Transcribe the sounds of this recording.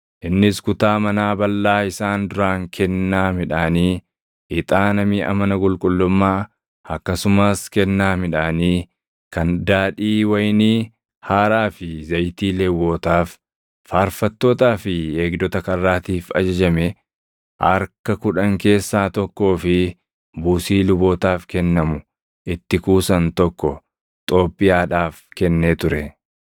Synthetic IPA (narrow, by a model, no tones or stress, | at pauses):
ʔɪnːɪskʊt̪aːmɐnaːbɐlːaːɪsaːnd̪ʊɾaːŋkʰɛnːaːmɪᶑaːniː | ɪt̪ʼaːnɐmɪʔɐ̰mɐnɐkʼʊlkʼʊlːʊmːaː | ʔɐkːɐsʊmaːskɛnːaːmɪᶑaːniː | kɐnd̪aːᶑiːwɐjniː | haːɾaːfɪzɐjt̪iːlɛwːo̞ːt̪aːfː | aːɾfɐt̪ːo̞ːt̪aːfɪeːɡd̪ɔt̪ɐkɐrːaːt̪iːfɐ̰d͡ʒɐd͡ʒɐmɛ | ʔɐɾkɐkʊᶑɐŋke̞ːsːaːt̪ɔkːo̞ːfɪ | buːsiːlʊbo̞ːt̪aːfkɛnːɐmʊ | ʔɪt̪ːɪkuːsɐnt̪ɔkːɔ | t̪ʼo̞ːpʼːɪjaːᶑaːfkɛnːeːt̪ʊɾɛ